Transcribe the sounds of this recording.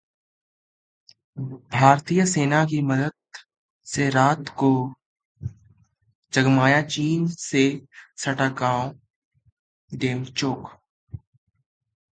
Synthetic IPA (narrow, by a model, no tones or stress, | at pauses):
bʱaːɾt̪ijəseːnakiməd̪əd̪̚ | seɾaːt̪ko | d͡ʒəɡmaːjat͡ʃiːnsesɐʈakãːõ | ɖeːmt͡ʃoːk